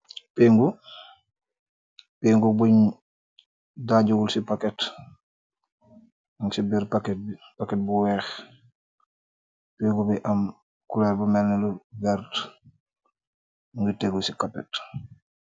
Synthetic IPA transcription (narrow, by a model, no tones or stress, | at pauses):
peːŋɡu | peːŋɡubuɲ | daɟuɡulsipakɛt | aŋsibiɾpaket̚bipakɛt̚buwɛːx | peŋɡubiʔam | kulebumɛlnɛlubɛɾt | ŋɡəteɡulsikapːɛ̰t